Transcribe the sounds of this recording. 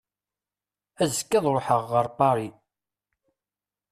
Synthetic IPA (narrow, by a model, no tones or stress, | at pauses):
æzəkːæðˤɾoħəʁːəɾˤpɑɾˤi